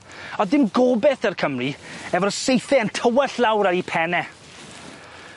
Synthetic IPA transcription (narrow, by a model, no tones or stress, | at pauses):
ɔðɪmɡɔbɛθərkʰəmriɛvɔsejθɛəntʰəwəɬlˠawɾaɾipʰɛnɛ